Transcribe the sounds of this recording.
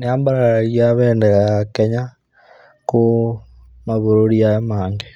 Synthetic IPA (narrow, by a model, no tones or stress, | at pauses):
neambaɾaɾiaβɛːndɛɣakɛɲa | ku | maβoɾoɾiaemaːŋɡe